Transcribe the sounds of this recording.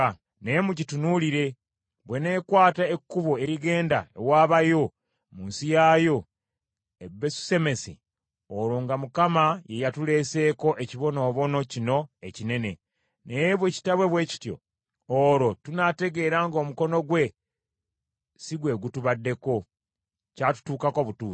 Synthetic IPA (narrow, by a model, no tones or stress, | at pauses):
ne̞muɟitunuliɾe̞ | βwe̞ne̞ːkwaːtaekːuβoe̞ɾiɡe̞ːndaḛwaːβajo̞ | muːnsijaːjo̞ | ebesu̥se̞me̞si | oɾoːŋɡamukamaje̞jatule̞ːse̞ːko̞ʔeciβo̞no̞ːβo̞no̞cino̞ecine̞ne̞ | nejβweci̥taβwe̞βwe̞ːci̥tjo̞̰ | oɾo̞tunate̞ɡe̞ɾaŋɡo̞ːmuko̞no̞ɡwe̞ | siɡwe̞ɡutuβadːe̞ko̞ | catu̥tuːkako̞βutu̥ː